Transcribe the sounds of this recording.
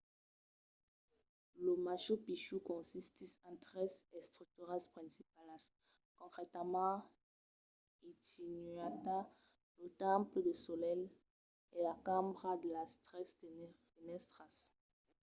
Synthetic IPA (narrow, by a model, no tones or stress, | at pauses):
ləmaʃopiʃukɔ̃sist̪isãt̪ʁɛsɛst̪χyk̚t̪yʁaspχɛ̃sipalas | kɔ̃kχet̪amɑ̃ | it̪inɥat̪a | lət̪ãpləd̪əsɔlɛl | elakãmbʁad̪əlast̪ɛs | enɛst̪χas